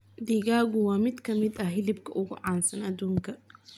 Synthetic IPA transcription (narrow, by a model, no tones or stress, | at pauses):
d̪iɣaːɣʊwɑːmɪd̪kʰɐmɪd̪ɐɦɪlɪbkʰɐʔʊɣʊʕɑːnsɐnɐd̪uːŋkʰɐ